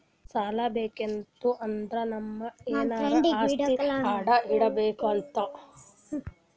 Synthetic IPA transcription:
saːlɐbeːkent̪uʔɐnd̪ɾɐnɐmːɐeːnaːɖiaːiaːɽɐiɽɐbeːkɐlt̪ɐ

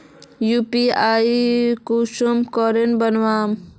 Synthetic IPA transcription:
jupiaikusumkɔɾenbənwaːm

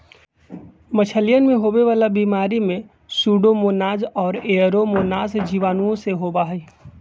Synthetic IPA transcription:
mət͡ʃʰəlijənmẽɦoːweʋaːlabiːmaːɾimẽ | suːɖomoːnaːzɔːɾeːəɾomoːnaːzd͡ʒiʋaːnuõseɦoːbaɦɛiː

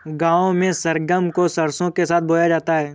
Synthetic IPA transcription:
ɡãːõmẽsɐɾɡəmkosɐɾsõkesaːt̪̚ʰboːjad͡ʒaːt̪aɦɛː

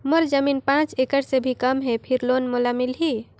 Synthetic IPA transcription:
moɾd͡ʒəminpãt͡ʃekəʈsebʱikəmɦepʰiɾlonmolamilɦi

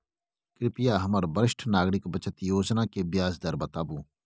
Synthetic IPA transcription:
kɪɾɪpɪjaːɦɐməɾbəɾɪʃʈʰnaːɡɾɪkbət͡ʃət̪joːd͡ʒnãːkebɪjaːzd̪əɾbət̪aːbuː

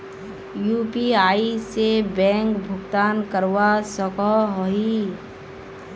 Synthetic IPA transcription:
juːpiaːisebɛ̃ːŋkbʱʊɡt̪aːnkəɾwasəkɔɦoi

